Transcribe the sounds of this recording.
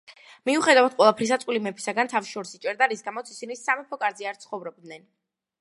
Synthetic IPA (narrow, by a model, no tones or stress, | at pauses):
miuχɛd̪avad̪̥qʼwɛlˠapʰɾis̬at̪sʼqʼwilimɛpʰi̥saɡant̪ʰafʃɔɾsit͡ʃʼɛɾd̪aɾisɡamɔt̪sisinisamɛpʰɔkʼaɾziaɾt̪sʰχɔvɾɔb̚d̪nɛn